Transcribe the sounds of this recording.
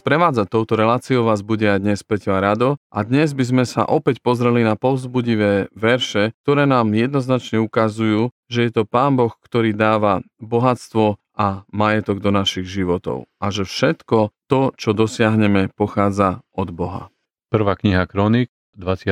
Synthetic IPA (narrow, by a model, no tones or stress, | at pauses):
spɾɛʋaːd͡zat̪ɔʊt̪ɔɾɛlaːt͡siɔʊʋaːzbuɟɛajd̪ɲɛspɛcɔaɾad̪ɔʔa̰d̪ɲɛzbizmɛsa̰ʔɔpɛcpɔzɾɛlinapɔʊzbuɟiʋɛːʋɛɾʃɛk̚t̪ɔɾɛːnaːmjɛd̪nɔznat͡ʃɲɛukazujuː | ʒɛjɛt̪ɔpaːnbɔxkt̪ɔɾiːd̪aːʋa | bɔɦat͡st̪ʋɔ | amajɛt̪ɔɡd̪ɔnaʃiɣʒiʋɔt̪ɔ̰ʊʔaʒɛfʃɛt̪kɔt̪ɔt͡ʃɔd̪ɔsɪaɦɲɛmɛpɔxaːd͡zaɔd̪bɔɦa̰ | pr̩ʋaːkɲiɦakɾɔnik | d̪ʋat͡sɪa